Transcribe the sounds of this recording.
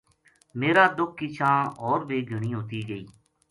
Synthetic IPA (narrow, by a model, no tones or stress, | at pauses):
meːɾaːd̪ʊk̚ʰːɪt͡ʃʰãːɔːɾbeːɡʱəɳ̃iːɦoːt̪iːɡəiː